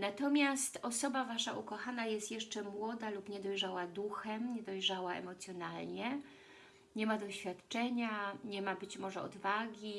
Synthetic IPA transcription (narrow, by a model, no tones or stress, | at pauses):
nat̪ɔmʲjast̪ɔsɔbavaʂaʔukɔxanajɛst̪jɛʂt͡ʂɛmwɔd̪alupɲɛd̪ɔjʐawad̪uxɛmɲɛd̪ɔjʐawaɛ̰mɔt̪sʲjɔnalɲɛ | ɲɛmad̪ɔɕfʲjat̪t͡ʂɛɲaɲɛmabɘt͡ɕmɔʐɛɔ̰d̪vaɡʲi